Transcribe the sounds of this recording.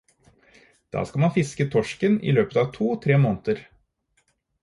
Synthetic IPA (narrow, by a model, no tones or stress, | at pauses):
d̪̥ɑ̰ːskɑlmɑnfɪskət̪ʰɔʂkənḭːløːpət̪ɑːʋt̪ʰuːt̪ʰɾeːmoːnt̪əɾ